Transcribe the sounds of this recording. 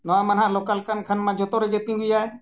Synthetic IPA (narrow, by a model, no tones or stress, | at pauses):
nəʋãːmənɦãːloːkəlkʰənkʰənmãːd͡ʒot̪oːɾəd͡ʒeːt̪ĩɦʊiaːɦeː